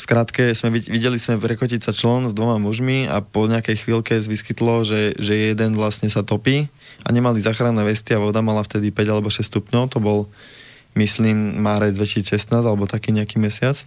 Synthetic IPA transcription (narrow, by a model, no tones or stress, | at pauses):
skɾat̪kɛzmɛiʋiɟɛlizmɛpɾɛkɔcicsat͡ʃlɔnzd̪ʋɔmamuʒmia̰pɔɲɛakɛjxʋiːlkɛsʋiskit̪lɔʒɛʒɛjɛd̪ɛnʋlasɲɛsat̪ɔpiː | a̰ɲɛmalizaːxɾanːɛːʋɛst̪iaʋɔd̪amalaft̪ɛd̪ipɛɟalɛbɔʃɛst̪upɲɔʊt̪ɔbɔl | misliːmːaːɾɛd͡zd̪ʋɛcisit͡sʃɛst̪naːzalɛbɔt̪akiːɲɛakiːmɛsɪat͡s